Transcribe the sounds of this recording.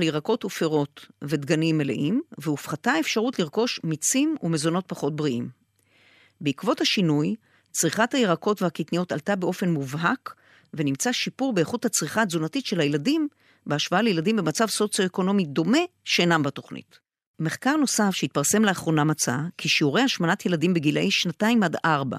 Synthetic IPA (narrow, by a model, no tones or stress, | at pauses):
ljeʁako̞tufeʁo̞tve̞d̪ɡanimːelḛʔimveufχatae̞fʃaʁutliʁko̞ʃmit͡simumezo̞no̞t̚paχo̞t̚bʁiʔim | beikvo̞thaʃinuj | t͡sʁiχathajeʁako̞tveakitnijo̞ta̰ltabe̞o̞fe̞nmuvɦak | ve̞nimt͡saʃipuʁbeeχuthat͡sʁiχazunatitʃe̞lajeladim | beaʃvaalejeladimbe̞mat͡savso̞t͡sijo̞eko̞no̞mido̞me̞ʃenambato̞χnḭt | meχkaʁno̞safʃeit̚paʁse̞mleaχʁo̞namat͡sa̰kʰiʃiuʁejhaʃmanatje̞ladimbeɡila̰ʔiʃnataimadaʁba̰